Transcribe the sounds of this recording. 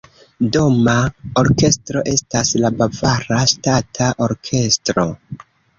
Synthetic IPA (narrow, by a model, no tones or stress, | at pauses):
do̞mao̞ɾke̞stɾo̞ʔe̞staslabavaɾastatʰaʔo̞ɾkʰe̞stɾo̞